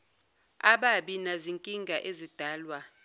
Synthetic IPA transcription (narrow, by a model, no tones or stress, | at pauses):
aɓaɓinaziŋkʼiŋɡʱaʔezid̥ʱaːlwa